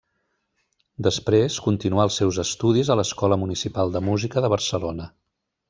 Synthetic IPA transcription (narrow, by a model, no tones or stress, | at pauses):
d̪əspɾeskunt̪inuaəlˠsːɛwzəst̪uð̞izələskɔləmunisipalˠd̪əmuzikəðəβ̞ərsəlonə